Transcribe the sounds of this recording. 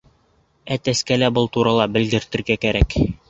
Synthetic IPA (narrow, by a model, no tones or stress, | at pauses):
æt̪æskælæbɤlˠt̪uɾɑlˠɑbɘ̆ld̪ɘ̆ɾt̪ɘ̆ɾɡækæɾæk